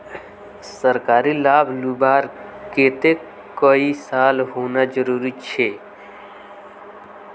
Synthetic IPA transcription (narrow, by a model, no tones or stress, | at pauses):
səɾkaːɾilaːbʱlubaːɾkeːt̪e | koisaːlɦoːnad͡ʒəɾuːɾit͡ʃʰe